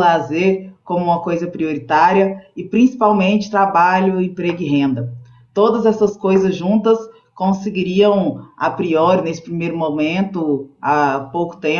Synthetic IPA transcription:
lazeɾkõmʊũmɐkojzɐpɾioɾit̪aɾiɐɪpɾĩsi̥pawmẽnt͡ʃɪ̥t̪ɾabaʎʊẽpɾeɡʊɪɦẽnd̪ɐ | t̪od̪ɐzɛsɐskojzɐzʒũnt̪ɐs | kõsɪɡiɾiɐ̃w̃apɾiɔɾɪnesɪ̥pɾimejɾʊmõmẽnt̪ʊapowkʊ̥t̪ẽ

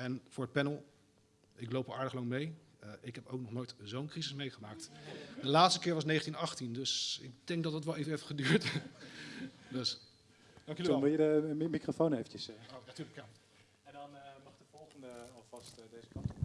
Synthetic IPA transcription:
ɛnvʊːɹət̚pɛnəlˠ | ɪklowpɔlˠaːɹdəχlɑŋmej | ʔɪkɦɛpowknɔχnojtzownkrizɪsmejχəmaːktdəlaːtstəkɪːɹʋɑsnejχəntinɑχtindɵsɪ̰k̚d̥ɛŋk̚dɑtɑtʋɛlˠejvənevəχədyːɹt | døs | d̥ɑŋkjɔʋɪlˠədəmikrofownejvənt͡ʃəsonatyːɹləkja | ɛndɑnmɑχd̥əv̥ɔlˠχəndəɑlˠvɑstdejzəkɑnt

